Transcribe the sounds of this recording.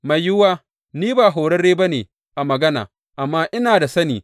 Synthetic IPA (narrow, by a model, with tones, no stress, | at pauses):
ma˨jjʊ˦waː˦ | niː˦baː˨ɦo˨ɽɐ˦rɽeː˦bɐ˦neː˨ | ʔa˨mɐ˨ɡɐ˦na̰ː˨ | ʔa˨mːaː˦ʔɪ˦naː˨da˨sɐ˦niː˨